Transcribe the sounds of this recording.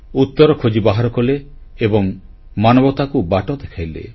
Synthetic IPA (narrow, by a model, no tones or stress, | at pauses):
ut̪ːɔɾɔkʰod͡ʒibaɦaɾɔkɔleː | bɔŋ | manɔbɔt̪akubaʈɔd̪ekʰajlḛ